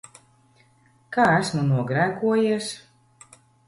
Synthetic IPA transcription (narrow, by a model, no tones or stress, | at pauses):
kaːæsmunuɔɡɾæːkuɔjiɛs